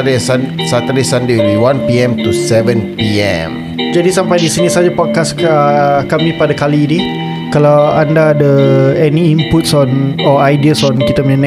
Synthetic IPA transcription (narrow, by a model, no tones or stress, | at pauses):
ɾesansat̪aɾisandeliwãnpiɛ̃mt̪usɛvə̃npiɛ̰̃m | d͡ʒadisampajdisinisad͡ʒapɔt̚kas | kamĩpadakalidi | kalawandaːdəɛniimput̪̚sɔnɔajdiəsɔ̃nkit̪aməɲan